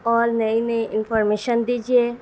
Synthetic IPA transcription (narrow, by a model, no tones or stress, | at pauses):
ɔːɾnɐinɐiʔɪnfʰɔːɾmeːʃənd̪iːd͡ʒie